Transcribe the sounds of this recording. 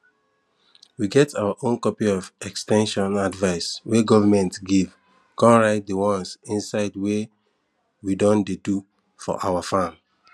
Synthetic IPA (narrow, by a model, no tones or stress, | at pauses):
wiɡɛtʰawaʔõnkɔpiɔvɛkstɛ̃nʃɔ̃nadvaɪsweɡɔvəmɛ̃ntɡiv | kɔ̃nɹaɪt̚dəwɔ̃nsĩnsaɪdwe | widɔ̃ndedu | fɔ̰ʔawafãm